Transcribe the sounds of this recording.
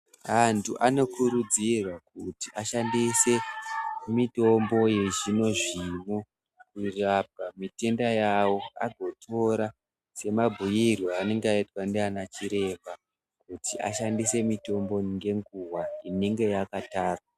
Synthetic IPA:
antʰuʔano̞kuɾud͡zirwakuti̥ʔaʃandise̞ | mito̞mbo̞je̞ʒino̞ʐimo | kurab̚ʱamite̞ndajawo̞a̰ɡʱo̞tʰo̞ɾa | se̞mabʱujirwaːne̞ŋɡeaitwandeanat͡ʃiɾe̞ma | kutiʔa̰ʃandise̞mito̞mbo̞ŋɡe̞ŋɡuwaine̞ŋɡe̞jakataːrwa

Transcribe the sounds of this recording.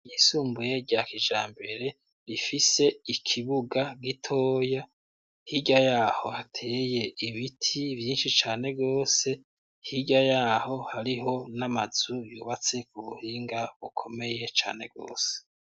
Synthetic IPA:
jisuːmbuje̞ɟaːkiʒa̰ːmbe̞ɾe̞ | ɾifise̞ikʰiβuɡaɡitʰo̞ːja | hiɟajaːho̞hatʰe̞ːje̞iβitʰivjiːnʃit͡ʃaːne̞ɡo̞ːse̞ | hiɟajaːho̞haɾiɦo̞namaz̥ujṵːβat͡se̞kuβuhiːŋɡaβukʰo̞me̞je̞t͡ʃa̰ːne̞̰ɡo̞̰ːse̥

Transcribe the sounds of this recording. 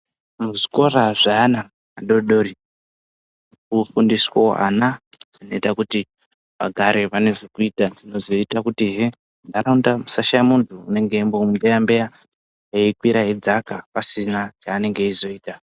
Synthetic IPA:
muʐiko̞raʐaːna | aɗoɗoɾi | kufundiswo̰ʔa̰nḁ | ino̞itakuti | ʋa̰ɡʱaɾeʋane̞ʐokuitandino̞zo̞itakutiɦe | ndaɾaundamusaʃajamuntʰuːne̞ŋɡembomudejambeja | ɦeikwiɾaɦed͡zakapasinat͡ʃaːne̞ŋɡe̞izo̞iːta

